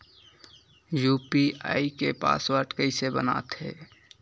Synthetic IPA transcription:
jupiaikepa̰swəɾɖkəɪsebə̰na̰ːt̪ɦḛː

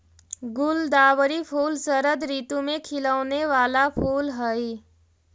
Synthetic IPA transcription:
ɡʊld̪aːʋəɾipʰuːlsəɾəd̪ɾiːt̪ũmẽkʰɪləʋneʋaːlapʰuːlɦəi

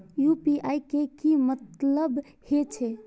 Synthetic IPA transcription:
jupiʔajkekimət̪ləb | het͡ʃʰe

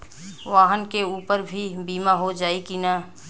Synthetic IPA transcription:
ʋaːɦənkeuːpəɾbʱibiːmaɦod͡ʒaːikinaː

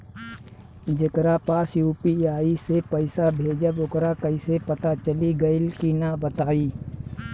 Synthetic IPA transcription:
d͡ʒɪkɾapaːsjuːpiaːisepəɪsabʱeːd͡ʒəbʊkɾakəisepət̪at͡ʃəliɡəɪlkinabət̪aːiː

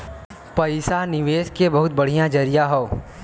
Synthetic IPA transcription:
pɐɪsanɪʋeːskebɐɦʊt̪bɐɽ̤ijãd͡ʒɐɾijaɦoo

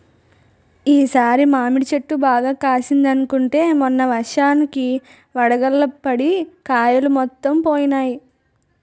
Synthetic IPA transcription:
iːsaːɾimaːmiɽit͡ʃeʈːubaːɡaːkaːsind̪ɐnukuɳʈe̞ːmunːɐʋɐʂaːniki | ʋɐɽɐɡɐlːɐpɐɽikaːjɐlumɔt̪ːɐmpoːjɐnaːji

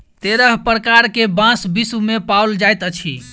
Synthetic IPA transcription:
t̪eɾəɦpɾəkaɾkebãsbisumepawld͡ʒajt̪ət͡ʃʰḭ

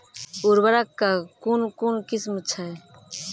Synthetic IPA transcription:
uɾbəɾakːakunkunkismt͡ʃʰa

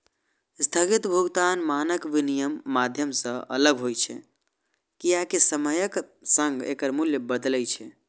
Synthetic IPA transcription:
st̪ʰəɡit̪bʱuɡt̪anmanəkbinijəmːad̪ʱjəmsə̃ə̰ləɡɦojt͡ʃʰɛ̰ | kiakesəməjəksə̃ŋɡḛkəɾmuljəbəd̪lɛt͡ʃʰɛ

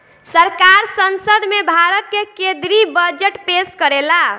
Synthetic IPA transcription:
səɾkaɾsənsəd̪ʱmebʱaɾət̪̚kekẽd̪ɾibəd͡ʒeʈpeskəɾela

